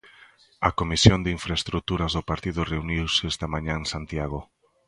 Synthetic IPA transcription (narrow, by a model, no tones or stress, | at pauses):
ɐkomisjond̪iɱfɾaest̪ɾuk̚t̪uɾɐzðopaɾt̪iðʊreuniwsest̪ɐmaɲãẽnsant̪jaɣ̞o